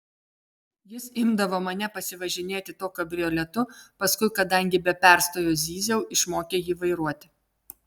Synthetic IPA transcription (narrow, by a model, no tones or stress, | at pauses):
jɪsɪmd̪ɐʋoːmɐnʲɛpɐsʲɪʋɐʒʲɪnʲeːt̪ʲɪt̪oːkʲɐbʲɾʲɪɔlʲɛt̪ʊpɐskʊɪkɐd̪ɐŋʲɡʲɪbʲɛpʲæˑɾst̪oːjoːzʲiːzʲɛʊʔɪʃmoːkʲeːjiːʋɐɪɾuɔt̪ʲɪ